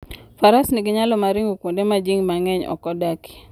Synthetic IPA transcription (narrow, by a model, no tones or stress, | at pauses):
faɾasniɡɪɲalɔmaɾiŋɡokwondemad͡ʒiŋmaŋɛɲɔ̰kɔdaki̥